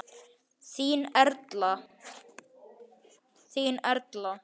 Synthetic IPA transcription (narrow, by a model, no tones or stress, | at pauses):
siːnɛɾt̪la | siːnɛɾt̪la